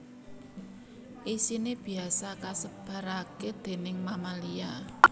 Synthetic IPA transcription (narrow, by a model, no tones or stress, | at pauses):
ʔisineb̥i̤asakasəb̥a̤ɾaked̪̥e̤nɪŋmamalia